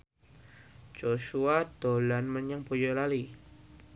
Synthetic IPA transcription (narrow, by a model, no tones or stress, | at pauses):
d͡ʒoʃuad̪̥olanmənaŋbojɔlali